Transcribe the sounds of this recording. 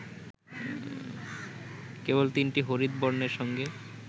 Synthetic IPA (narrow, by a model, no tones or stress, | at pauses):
kebolt̪inʈiɦoɾid̪boɾneɾʃɔŋɡe